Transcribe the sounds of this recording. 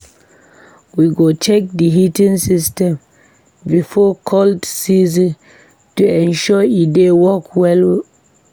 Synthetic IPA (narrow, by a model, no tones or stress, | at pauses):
wiɡot͡ʃɛk̚diɦitĩnsistɛ̃m | bifɔkʰɔltsizĩn | tuɛ̃nʃɔidewɔkwɛl